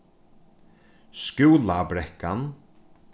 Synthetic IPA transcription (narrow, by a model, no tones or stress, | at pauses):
skuːlabɾɛhkan